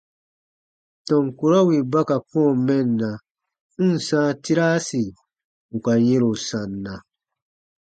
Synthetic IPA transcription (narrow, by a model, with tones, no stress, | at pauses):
tɔ̃˨ŋku˨ɾɔ˦wi˨ba˦ka˨kɔ̃˦˨mɛ̃˦˨nːa˨ | n̩˦˨sãː˦ti˦ɾaː˦si˨ | u˨ka˨je˦ɾo˨sã˨nːã˨